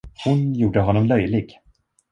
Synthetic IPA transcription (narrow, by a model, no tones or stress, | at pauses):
hʊnjuːɖəɦɔnːɔmlœjlɪɡ